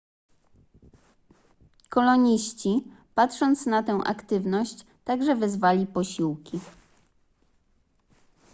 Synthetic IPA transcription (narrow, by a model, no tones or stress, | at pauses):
kɔlɔɲiɕt͡ɕipat̪ʂɔnt̪snat̪ɛw̃ʔa̰kt̪ɘvnɔɕt͡ɕ | t̪aɡʐɛvɛzvalʲipɔɕiwkʲi